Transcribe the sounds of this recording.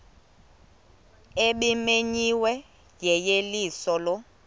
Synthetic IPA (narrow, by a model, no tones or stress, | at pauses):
eɓimeɲiwɛ | jɛjeliːsɔlɔ